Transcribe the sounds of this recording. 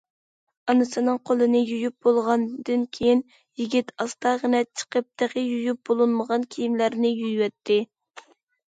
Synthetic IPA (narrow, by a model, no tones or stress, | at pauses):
ɑnɨsɨnɨŋqʰolˠɨnɨjujyp̚bolˠʁɑnd̪ɨnkʲʰejin | jiɡʲit̪ɑst̪ɑʁənɛt͡ʃʰə̥qəp̚t̪æʁəjujup̚bolˠɨnməʁɑnkʲʰijimlæɾnɪjyjwɛt̪ʰːɪ